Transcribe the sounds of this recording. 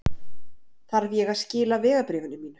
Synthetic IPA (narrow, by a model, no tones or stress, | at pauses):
θaɾvjɛɣaðscɪːlavɛːɣapɾeːvʏnʏmiːnʏ̥